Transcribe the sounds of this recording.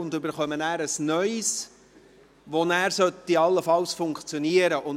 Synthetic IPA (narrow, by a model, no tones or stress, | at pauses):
ʊndɵbəɾχœmənæːɾəsnœʏs | ʋonæːɾsœt̪ːiɑlːəfɑlsfʊŋkt͡sjɔniəɾəʔʊn